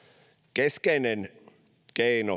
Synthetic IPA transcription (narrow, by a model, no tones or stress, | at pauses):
keskeinen | keino